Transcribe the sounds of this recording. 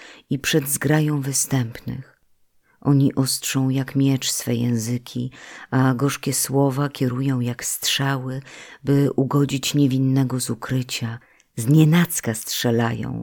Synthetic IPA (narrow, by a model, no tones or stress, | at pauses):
ipʂɛd̪zɡɾajɔ̃w̃vɘst̪ɛmpnɘ̰x | ʔɔɲiʔɔstʂɔ̃w̃jakmʲjɛt͡ʂsfɛjɛ̰̃w̃zɘkʲiaɡɔʂkʲɛswɔvakʲɛɾujɔ̃w̃jakstʂawɘbɘʔuɡɔd͡ʑit͡ɕɲevʲinːɛɡɔzukɾɘt͡ɕa | zɲɛnat̪skastʂɛlajɔ̰̃w̃